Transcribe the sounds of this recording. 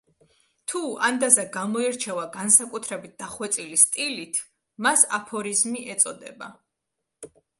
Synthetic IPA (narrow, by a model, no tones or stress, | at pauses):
t̪ʰuand̪azaɡamɔiɾt͡ʃʰɛvaɡansakʼut̪ʰɾɛbit̪̚d̪̥aχwɛt̪sʼilist̪ʼilit̪ʰ | masa̰pʰɔɾizmiʔɛt̪sʼɔd̪ɛ̰ba